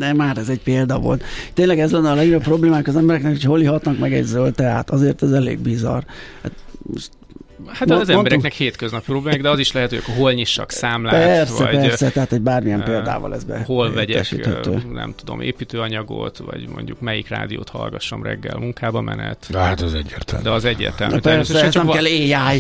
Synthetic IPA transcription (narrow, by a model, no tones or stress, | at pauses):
d̪ɛmaːɾɛzɛɟpeːld̪ɒvo̞̰lt̪t̪ːeːnlɛɡɛzlɛnːɛɒlɛɡojopːro̞bleːmaːkɒzɛmbɛɾɛknɛkhocʰho̞lːiɦɒt̪nɒkmɛɡɛ̰ɟzølt̪ɛa̰ːt̪ɒzeːrt̪ɛzɛlḛːɡ̚bizɒrha̰ːt̪moʃt̪ | hat̪ːzɛmnbɛɾɛnɛkheːt̪køznɒpiproblemaiɡd̪ɛɒziʃlɛɦɛt̪hojkoɦolɲiʃːɒksaːmlapːɛːrsvɛɟpɛrsɛt̪ɛɦaːt̪hoɟbaːrmijɛmpeːld̪a̰ːvɒ̰lɛ̰zbɛ̰holvɛɟɛɛʃḭhɛ̰t̪ø̰ːnɛ̰mt̪ud̪o̞̰mʔḛːpiːt̪øːɒɲɒɡo̰t̪vɒ̰ɟmo̞̰ɲɟukmɛjikra̰ːd̪ijo̰ːt̪hɒ̰lɡɒʃomrɛ̰ɡːɛlmuŋkaːbɒmɛ̰nɛt̪at̪ɛzɛɟːeːrt̪ɛld̪ɛɒzɛɟːḛːrt̪ɛlmytɛrseɛɛzt͡ʃ̪ɛmkɛlːeːjaːj